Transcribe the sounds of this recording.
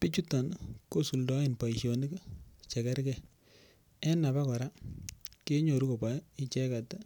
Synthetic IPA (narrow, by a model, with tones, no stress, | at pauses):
pi˦t͡ʃu˦tːa˨nko˦su˨ldɔ˦ɪ˨npa˨i˨ʃo˨ni˦kt͡ʃɛ˨kɛ˦ɾkɛ˦ | ɛ˦na˨ba˦kɔ˨ɾa˦ke˦ɲo˨ɾu˦ko˨pa˦i˦t͡ʃɛ˦ka˨ta˦